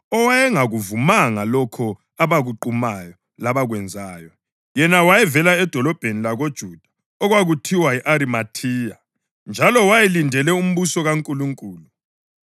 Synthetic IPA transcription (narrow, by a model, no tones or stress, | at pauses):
ɔwajɛŋaɣuvumaŋalɔkʰɔ | aβaɣuǃumajɔ | laβaɣwɛnd͡zʱaːjɔ | jɛnawajɛvɛlaɛd̥ʱɔlɔb̥ʱenilaɣod̥ʒ̥ʱud̥ʱḁ | ɔɣwaɣutʰiwaiʔaɾimatʰiːja | nd͡ʒʱalɔwajɛlindʱɛlɛum̩βusɔɣaŋkʼuluŋkʼuːlu